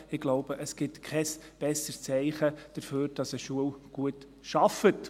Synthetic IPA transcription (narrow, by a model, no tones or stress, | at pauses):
ɪɡ̥loʊb̥əʔəsɡ̥ɪtkʰɛsb̥ɛsəst͡sɛɪχəd̥əɾføːɾd̥ɑsəʃuəwɡ̥uət | ʃɑfət